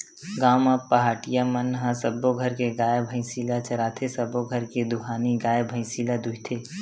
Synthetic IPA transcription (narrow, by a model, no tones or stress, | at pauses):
ɡaːmapəɦaːʈijamənɦãsəboɡʱəɾkeɡaːjebʱə̃ɪ̃silat͡ʃəɾaːt̪ʰesəboɡʱəɾked̪ʊkʰaːniɡaːjebʱə̃ɪ̃silad̪ʊɦt̪ʰe